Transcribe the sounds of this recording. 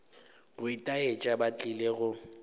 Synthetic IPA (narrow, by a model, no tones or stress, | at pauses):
ɣʊitʼaet͡ʃʼabat͡ɬʼileɣʊ